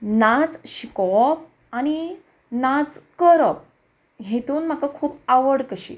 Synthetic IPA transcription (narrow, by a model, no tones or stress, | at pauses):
nat͡sɕikɔp̚ | añi | nat͡skəɾəp̚ | ɦet̪uːnm̤akakʰuːpaʋəɽkəɕḭː